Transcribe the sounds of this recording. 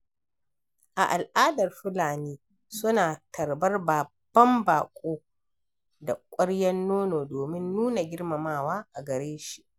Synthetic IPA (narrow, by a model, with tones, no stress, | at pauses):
ʔa̰˨ʔa˨lʔaː˦dɐ˨rɸʊ˦laː˨niː˦ | sʊ˦naː˨tʰɐ˨rbɐ˦rba˨bb̥ːɐ˦mbaː˨kʷʼoː˦ | da˨kʷʼʊ˦ɽjɐ˦nːoː˦noː˨doː˨mɪ˦nːuː˦na˨ɡʲɪ˦rma˨maː˦˨waː˦ʔa˨ɡɐ˨ɾeː˦ʃi˦ʔ